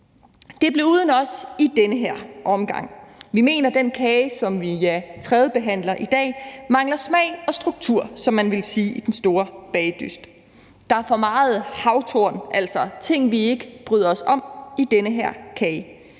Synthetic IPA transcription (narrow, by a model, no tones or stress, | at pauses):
d̥e̝b̥leɐuːð̞ˠənɒ̽sid̥enəɦeɐ̰ʔɒ̽mɡ̥ɑ̈ŋ̰ʋime̝̰ːnɐd̥enkʰɛːsɒ̽mʋijæt͡sʰʁɛːð̞ˠəb̥e̝ɦæn̰lɐʔid̥ɛ̰ːmɑ̈ŋlɐsmɛɪɒ̽sd̥ʁuɡ̥t͡sʰuɐ̰sɒ̽mːænʋe̝lsiːʔid̥ensd̥o̝ːɐb̥ɛːɪd̥ysd̥ | d̥ɑ̈æɐfɒ̽mɑ̈ːð̞̩ˠhɑ̈ʊt͡sʰo̝ɐnʔæl̰sɒ̽t͡sʰe̝ŋ̰ʋie̝ɡ̥əb̥ʁyðˠɐɒ̽sɒ̽mid̥enəɦeɐ̰kʰɛːɪ